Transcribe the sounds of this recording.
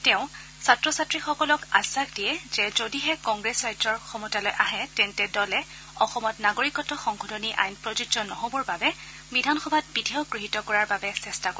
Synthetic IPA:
tɛʊ̃ | satɹɔsatɹixɔkɔlɔkasakd̥iɛzɛzodiɦɛkɔŋɡɹesajtɹɔɹxɔmɔtalɔjʔaɦɛtɛntɛdɔlɛ | ɔxɔmɔtnaɡoɹikɔtɔxɔŋkʰɔdʱoniʔa̰jnpɹɔzudzɔnːɔɦobɔɹbabɛ | bidʱanxɔbʱat̚bidʱɛʊɡɹiɦitɔkɔɹaɹbabɛsɛstako

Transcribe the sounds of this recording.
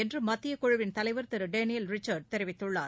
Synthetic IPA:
ɛndrɯmɐt̪ːɪjɐkɔɻʊʋɪnt̪ɐlɐɪʋɐɾt̪ɛɾɯɖeːnɪjɐlɾɪt͡ʃːɐɾɖ̚t̪ɛɾɪʋɪt̪ːɯɭːaː

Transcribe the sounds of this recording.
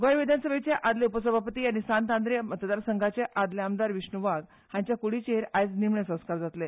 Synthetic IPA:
ɡɔjʋid̪ʱansəbet͡ɕeʔad̪leupəsəbʱapət̪iːaɽ̃isant̪ãnd̪ɾjəmət̪əd̪aɾsəŋɡʱat͡ɕeʔad̪leamd̪aɾʋiɕɳuʋaɡ̪ | hãɲt͡ɕjakuɽit͡ɕeɦɾajt͡snimɳesə̃w̃skaɾd͡zat̪le

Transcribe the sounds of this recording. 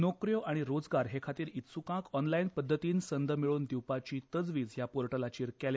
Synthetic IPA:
nokɾjoʔaɽ̃iɾod͡zɡaɾɦekʰat̪iːɾit̪sukãkɔnlainpəd̪ʱːət̪iːnsənd̪əmiɭuːnd̪iwpat͡ɕiːt̪əd͡zʋiːd͡zɦjapoɾʈəlat͡ɕiːɾkɛlj

